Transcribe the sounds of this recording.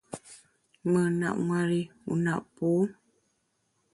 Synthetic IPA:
ŋə˨na̰˨ʔŋa˨ɾi˦ṵ˨na˦˨ʔpu˦

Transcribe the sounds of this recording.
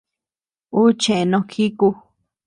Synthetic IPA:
u˦t͡ʃẽ˨ẽ˧nõ˧kʰi˦ku˧

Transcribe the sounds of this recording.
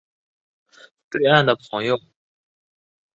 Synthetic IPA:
t͡swe˥˧ɪa˥˩nd̪ə˩pʰɤ˧˥ŋjo˨˩ʊ

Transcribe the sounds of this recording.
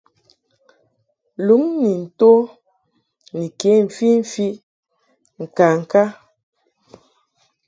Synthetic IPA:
lu˨˦ŋni˨n̩˨to˦ | ni˨ke˨˦ɱ̩˨fi˦ɱ̩˨fi˦ | ŋ̩˨ka˨ŋ̩˨ka˦

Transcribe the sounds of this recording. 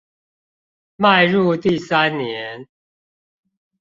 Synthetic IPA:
ma˥˧ɪɻu˥˧t̪i˥˨sa˦nnjɛ˨˦n

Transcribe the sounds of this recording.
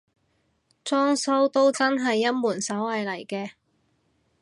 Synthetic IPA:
t͡sɔː˥ŋsɐ˥wt̪o˥wt͡sɐ˥nɦɐ˨jːɐ˥t̚muː˨˩nsɐ˨˥wlɐ˨jlɐ˨˩jkɛː˧

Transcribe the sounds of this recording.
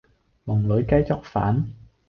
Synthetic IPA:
mɔ˨˩ŋlo˨˦jka˦˥jt͡ɕɔ˦˥k̚fa̰ː˨˥n

